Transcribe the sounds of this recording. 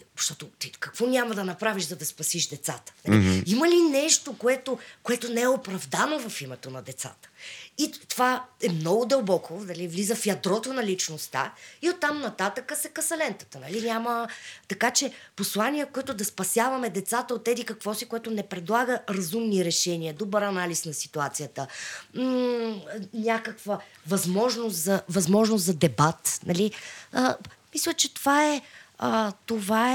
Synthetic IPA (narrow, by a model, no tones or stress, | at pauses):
ʃt̪ɔt̪ot̪ikɐkvɔnʲaməd̪ɐnɐpɾaviʃzɐd̪ɐspɐsiʃd̪ɛt̪sa̰t̪ə̥niiməlinɛʃt̪okoɛt̪okoɛt̪onɛɛopɾɐvd̪anovɐfimɛt̪onɐd̪ɛt̪sa̰t̪ə̥it̪ovaɛmnɔɡʊd̪ɐlˠbɔkʰonɐlivlizəfjɐd̪ɾɔt̪onɐlit͡ʃnost̪a̰iot̪ːamnɐt̪at̪əkəsɛkɐsɐlɛnt̪ə̥t̪ənɐlinʲamət̪ɐkat͡ʃɛposlˠanijəkoɛt̪ʊd̪ɐspɐsʲjavɐmɛd̪ɛt̪sat̪əot̪ːɛd̪ikɐkvɔsikoɛt̪ʊnɛpɾɛd̪lˠaɡəɾɐzumniɾɛʃɛnʲiəd̪obəɾɐnalisnɐsi̥t̪uat̪sijət̪əm̩ | nʲakəkvə | vɐzmɔʒnost̪zɐvɐzmɔʒnoszɐd̪ɛbat̪nɐ̰liəmislʲət͡ʃɛt̪ovaɛət̪ovaɛ